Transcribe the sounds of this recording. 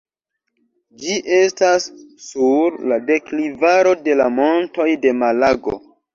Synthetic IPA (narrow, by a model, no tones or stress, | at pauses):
d͡ʒiʔe̞stasːuɾlade̞klivaɾo̞de̞lamo̞nto̞jde̞malaɡo̞̰